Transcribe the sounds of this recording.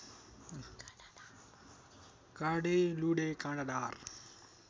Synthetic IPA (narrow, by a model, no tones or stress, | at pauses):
kaːɖeːluːɖeːkãːɳɖaɖaːɾ